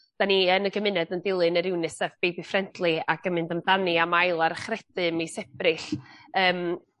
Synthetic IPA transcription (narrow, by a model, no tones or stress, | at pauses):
d̥aniənəɡəmɪnɛdəndɪlˠɨnəɾɪwnɨsɛvb̥ejbifrɛntʰlˠɨaɡəmɨndəndanɨamajlˠaɾəχrɛdɨmisɛb̥rɪɬəːm